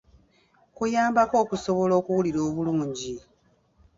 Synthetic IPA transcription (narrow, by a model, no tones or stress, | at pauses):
kujaːmbako̞ːkuso̞βo̞lo̞ːkuwuliɾo̞ːβuluːɲɟi